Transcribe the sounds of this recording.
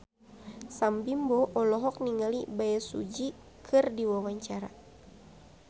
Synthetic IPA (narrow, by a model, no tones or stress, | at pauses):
sambimbɔʔɔlɔɦɔk̚niŋalibaɛsṵd͡ʒi | kʰɨrdiwawaɲt͡ʃaɾa̰